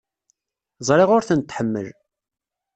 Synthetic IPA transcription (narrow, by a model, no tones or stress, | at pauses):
zˤɾˤeʁʊɾθənt̪ːħəmːə̰l